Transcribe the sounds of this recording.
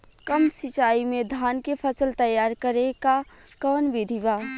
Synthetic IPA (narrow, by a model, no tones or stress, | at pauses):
kəmsɪt͡ʃaːimẽd̪ʱaːnkepʰəsəlt̪əjaːɾkəɾeka | kɔːnʋɪd̪ʱibaː